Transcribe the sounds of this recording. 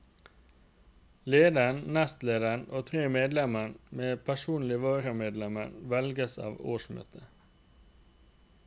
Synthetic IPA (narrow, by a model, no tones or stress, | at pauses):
leːd̪əənnɛst̪leːd̪əəɳoːt̪ʰʁeːmeːd̪lɛmənmeːpʰæʃuːnlɪʋɑːɾəmeːd̪lɛmənʋɛlɡəsɑ̰ːʋo̰ːʃmø̰ːt̪ʰə